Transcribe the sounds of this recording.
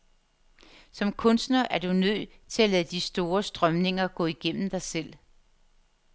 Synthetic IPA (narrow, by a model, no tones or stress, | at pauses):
sɒ̽mkʰɔ̽nsd̥nɐʔæɐd̥unøð̰ˠ | t͡sʰe̝lælæðd̥isd̥o̝ːɐsd̥ʁɶmne̝ŋɐɡ̥ɔ̰̽ːiɡ̥en̰m̩d̥ɑ̈ɪsel̰